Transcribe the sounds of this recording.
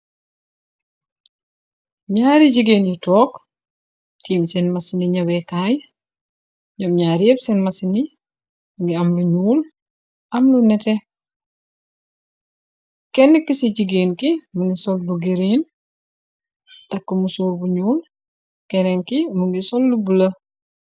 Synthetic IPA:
ɲaːɾiɟiɡeːnjitɔːk | tiːmsɛnmasiniɲɐbɛkaj | ɲɐmɲaːɾɛbsɛnmɐsini | ŋɡiɐmluɲuːl | ʔɐmlunɛtɛ | kɛnːikːisiɟiɡeːnkimuŋɡisɔlːuɡiɾin | ttɐkːumusuːɾbuɲuːl | kɛnɛŋkimuŋɡisɔlːubulɐ

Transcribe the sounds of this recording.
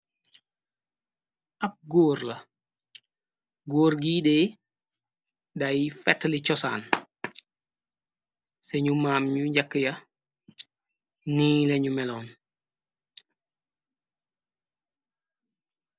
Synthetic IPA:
ɐp̚ɡoːɾlɐ | ɡoːɾɡiːdeː | dajifɛtːlicɔsa̰ːn | seɲumaːmɲuɲɟɐkːjɐ | niːleɲumɛloːn

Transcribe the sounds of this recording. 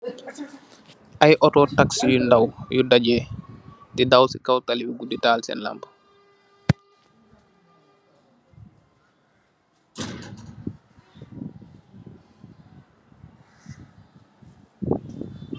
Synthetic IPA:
ʔajʔɔtɔtaksijundawjudad͡ʒɛ | didawsikawtaliwiɡuditaːlsɛ̰nla̰mbḁ

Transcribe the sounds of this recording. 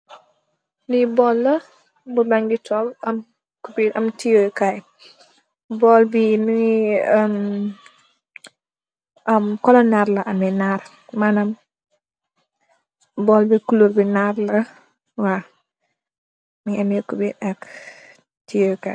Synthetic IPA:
nibɔlːɐ | bubaŋɡitʰɔlɐm | kubiɐmtijojkaj | bɔlbini | m | ʔɐmkɔlɔnːarlɐʔɐmɛnaɾ | manɐm | bɔːlbikuluɾbinarlɐ | wa | miŋɛmɛkubitɐk | tijojka̰

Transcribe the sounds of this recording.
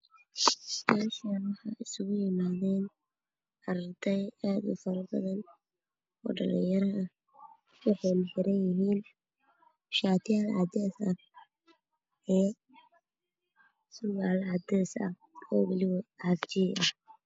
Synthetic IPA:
masɐnwɑħɑ̰ɪsʊɣʊjɪmaːðɛːn | ʔɐɾɐrt̪ʰɛjaːd̪ʊ̰fɐɾɐbɐðɐn | ɔ̰ːɖɐ̰lḭjɐɾɐɐ | wʊħɑjnɐħɪɾɐnjɪɦiːn | ʃaːt̪ʰɪjaːlɑ̰d̪ɛːsɐ | ɛː | sʊɣaːlɑd̪ɛːsɐ̰h | ɔːwɪlɪwɔʕɑft͡ʃiːɐ

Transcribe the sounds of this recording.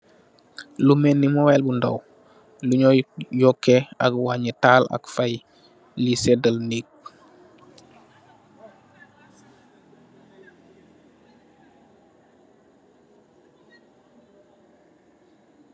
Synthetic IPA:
lumenːimowelbunda̰w | luɲojɔkːea̰kwaɲətaːla̰kfaj | lisedəlnik̚

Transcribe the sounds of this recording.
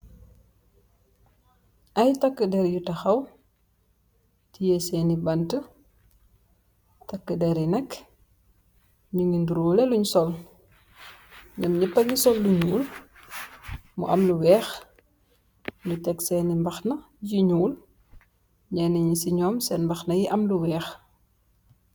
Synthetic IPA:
ʔɐjtɐkːədɛɾjutɐxɐw | tijɛsɛːnibɐntə | tɐkːədɛɾinɛk | ɲuŋɡinduɾɔːleluɲsɔl | ɲɐmɲipːɐɡisɔlːuɲuːl | mṵʔɐmluwɛːx | nutɛksɛnimbɐxnɐ | jiɲuːl | ɲɛnɐɲisiɲɔːmsɛnmbɐxnɐjiʔɐmluwɛːx

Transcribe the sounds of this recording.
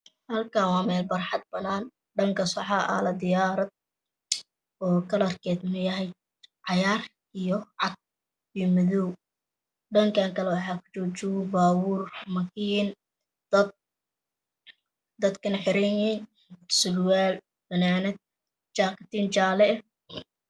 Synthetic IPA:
hɐlkʰaːwɑːmɛːlbɐrħɑd̪̚bɐnaːn | ɖɐŋkʰɐsɑħaʔɐ̰lɐd̪ɪjaːɾɐd̪̚ | ɔːkʰɐlɐrkʰɛːd̪mɐjɐɦɛj | ʕɑjaːr | ʔijɔʕɑd̪̚ | ijɔmɐðɔw | ɖɐŋkʰaːŋkʰɐlɛwɑħɑːkʰʊ̥t͡ʃɔːt͡ʃɪwʊbaːwʊːrmɐkʰiːn | d̪̥ɐd̪̚ | d̪ɐd̪kʰɐnɐħɪɾɛnɛn | sʊlwaːl | b̥ɐnaːnɛd̪̚ | t͡ʃaːqɪt̪iːnt͡ʃaːlɛ

